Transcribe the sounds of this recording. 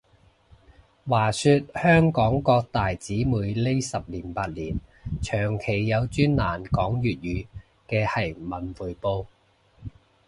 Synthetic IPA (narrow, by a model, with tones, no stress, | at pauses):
waː˨˩syː˧t̚hœː˥ŋkɔː˨˥ŋkɔː˧k̚t̪aː˨jt͡siː˨˥muː˨˧jle˥jsɐ˨p̚liː˨˩npaː˧t̚liː˨˩nt͡ʃʰœː˨˩ŋkʰe˨˩jːɐ˨˧wt͡ʃyː˥nlaː˨˩nkɔː˨˥ŋjyː˨t̚jyː˨˧ | kɛː˧hɐ˨˩jmɐ˨˩nfuː˨jpo˧w